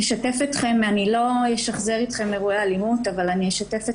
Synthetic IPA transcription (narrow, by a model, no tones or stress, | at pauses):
eʃatefet̪χe̞manilo̞jeʃaχze̞ʁit̪χe̞meʁuealimutavalanieʃatefe